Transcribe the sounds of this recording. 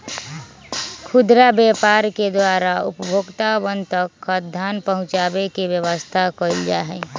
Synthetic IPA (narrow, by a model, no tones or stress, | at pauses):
kʰʊd̪ɾabjepaɾked̪waːɾaʊ̰pəbʱoːɡt̪abənt̪əkːəd̪ʱaːnpəɦʊ̃t͡ʃaːbekibjəwəst̪ʰakəild͡ʒa̰ɦɛ